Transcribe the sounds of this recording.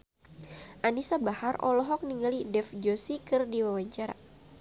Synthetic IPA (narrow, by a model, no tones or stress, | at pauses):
ʔanisabaharɔ̰lɔɦɔk̚niŋɡalidɛfd͡ʒosikɨrdiwawaɲt͡ʃaɾa̰